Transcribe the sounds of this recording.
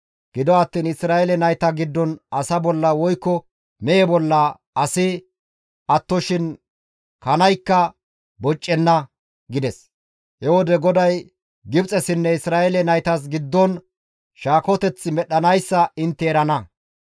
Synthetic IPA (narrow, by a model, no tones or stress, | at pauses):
ɡ̥ɪd̪ɔɐt̪ːiːnɪsɾaːjɛlɛnɐjt̪ɐɡɪd̪ːɔnɐsɐbɔlːɐwɔjkːɔ | mɛjɛbɔlːɐ | ɐsɪ | ɐt̪ːɔʃɪn | kɐnɐjkːɐ | bɔt͡ʃʼːɛnːɐ | ɡɪd̪ɛs | hɛwɔd̪ɛɡɔd̪ɐj | ɡɪbt͡sʼɛsɪnːɛɪsɾaːɛlɛnɐjt̪ɐs̬ɡɪd̪ːɔn | ʃaːkɔt̪ɛt͡sːɪmɛɗɐnɐjsːɐɪnt̪ːɛːɾɐnɐ